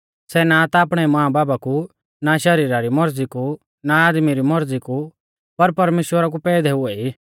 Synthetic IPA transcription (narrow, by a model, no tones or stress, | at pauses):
sɛnat̪aːpɽ̃ɛimɐɦãbaːbaku | naʃɐɾiːɾaɾimɔɾd͡ziku | naaːd̪miɾimɔɾd͡ziku | pɐɾpɐɾmeːʃwəɾak̬upɛːd̪ʱɛɦʊɛi